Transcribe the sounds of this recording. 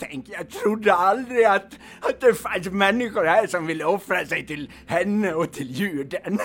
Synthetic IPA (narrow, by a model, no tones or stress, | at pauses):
t̪ʰɛŋkəjɑɡt̪ʰɾʊd̪ːəald̪ɾɪat̪ | at̪̚d̪ɛfansmɛnːɪɧʊɾhæːɾʂɔmvɪlːəɔfɾasɛɪt̪ɪl | hɛnːəɔt̪ʰɪljʉːɖən